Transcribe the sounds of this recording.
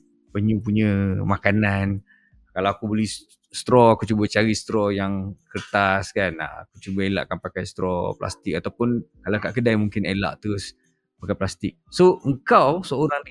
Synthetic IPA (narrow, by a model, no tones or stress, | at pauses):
pəɲũp̬uɲə̃makanan | kalawakubolih | st̪ɾɔakut͡ʃubət͡ʃaɾist̪ɾɔjaŋkərt̪askan̰akut͡ʃubəela̰ʔkanpakajst̪ɾɔ̰pla̰st̪ɪk̚at̪awpʊnkalakaʔkədajmuŋkɪnela̰ʔt̪əɾʊs | pakajplast̪ɪk̚soʔəŋkawsəoɾaŋ